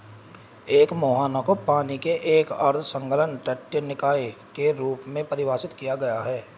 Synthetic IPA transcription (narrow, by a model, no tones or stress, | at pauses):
eːkmoːɦaːnakopaːnikeʔeːkə̰ɾt̪ʰsə̃ŋkələnʈəʈːjənɪkaːekeɾuːpmẽpɐɾɪʋaːsɪt̪kijaɡɐjaɦɛː